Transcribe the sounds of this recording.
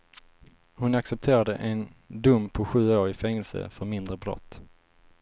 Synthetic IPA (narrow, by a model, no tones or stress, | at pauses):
hʊnaksɛp̚t̪ʰeːɾad̪əʔɛnd̪ɵmːpʰɔɧʉ̟ːoːɾɪfɛŋːɛlsə̰fœɾmɪnd̪ɾəbɾɔ̰t̪ː